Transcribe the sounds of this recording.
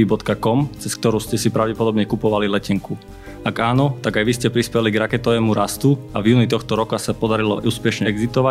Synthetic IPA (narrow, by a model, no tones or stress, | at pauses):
ibɔt̪kakɔmt͡sɛsk̚t̪ɔɾuːscɛsipɾaʊɟɛpɔd̪ɔbɲɛkupɔʋalilɛcɛŋku | aɡaːnɔt̪aɡajʋiscɛpɾispɛliɡɾakɛt̪ɔʋɛːmuɾast̪uavjuːnit̪ɔxt̪ɔɾɔkasapɔd̪aɾilɔ̰ʔuːspɛʃɲɛɡzit̪ɔʋa